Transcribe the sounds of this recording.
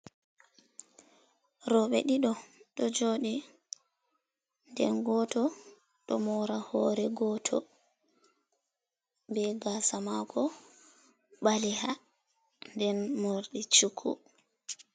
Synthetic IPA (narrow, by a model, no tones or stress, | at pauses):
ɾɔɓɛ̰ɗiɗɔɗɔd͡ʒoːɗi | ndɛ̰nɡɔtɔ | ɗɔmɔɾahɔɾɛɡɔːtʰɔ̰ | bɛɡasamakʰɔ | ɓaliha | ndɛnmoɾɗit͡ʃukʰːṵ